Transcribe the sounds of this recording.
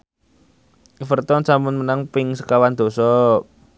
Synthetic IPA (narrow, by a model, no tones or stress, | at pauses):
ifərt̪ɔnsamʊnmənaŋpɪŋsəkawand̪̥o̤sɔ